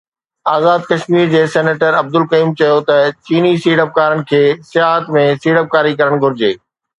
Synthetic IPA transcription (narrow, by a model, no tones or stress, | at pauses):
aːzaːd̪̚kɐʃmiːɾd͡ʑeːsɛːneːʈəɾɐb̚d̪ʊlkɐjuːmt͡ɕɐjot̪ɐt͡ɕiːnisiːɽəp̚kaːɾəɽɪ̆kʰeːsɪjaːɦət̪mẽsiːɽəp̚kaːɾikɐɾəɽ̃ɡʱʊɾɪd͡ʑeː